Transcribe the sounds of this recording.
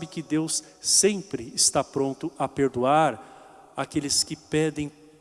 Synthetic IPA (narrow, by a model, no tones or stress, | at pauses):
bɪkɪd̪ewsː | ẽmpɾɪːst̪apɾõnt̪ʊɐpeɾd̪uaɾ | akelɪskɪpɛd̪ẽj̃